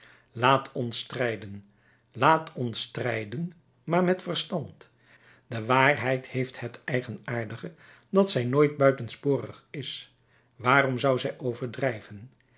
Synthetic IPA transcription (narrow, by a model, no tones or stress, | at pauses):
laːtʰɔnstrɛjdən | laːtʰɔnstrɛjdən | maːɹmɛtfərstɑnt | dəʋaːrɦɛjthejfthɦətɛjχənaːɹdəχə | dɑtsɛjnoːjt̚bœɥtənspʊːrəχɪs | ʋaːrɔmzʌwzɛjʔowvəɹdrɛjvən